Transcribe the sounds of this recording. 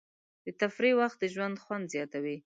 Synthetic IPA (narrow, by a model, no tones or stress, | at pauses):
d̪ət̪afɾiwaxt̪̚d̪əʒwand̪xwand̪zjɑt̪awi